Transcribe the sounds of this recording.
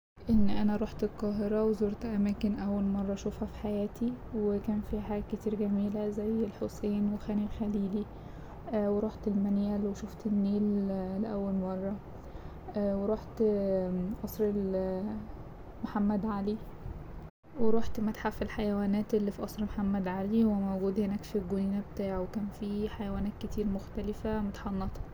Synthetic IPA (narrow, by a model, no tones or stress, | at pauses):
ʔenːʔænæɾˤoħt̪elqɑːɦeɾɑwezoːɾt̪ʔæmæːkenʔæwːælmɑrˤːɑʃofhæfi̥ħajæːt̪ʰiwekæːnfiħaːɡæket̪iːɾɡæmiːlæzæjːelħosˤeːnwexæːnilxæliːli | weɾˤoħt̪elmænjæːlweʃoft̪enːeːlːeʔæwːælmɑrˤːɑ | ʔweɾˤoħt̪ | ʔɑsˤɾel | mħamːæd̪ʕali | weɾˤoħt̪mæt̪ħafilħajæwæːnæːt̪ʔelːifiʔɑsˤɾmħamːæd̪ʕalihowːæmowɡuːd̪henæːkfiɡoniːnæbet̪aːʕwekæːnfiħajæwæːnæːt̪̚ket̪iːɾmoxt̪ælɪfæmot̪ħɑnːɑt̪ˤɑ̥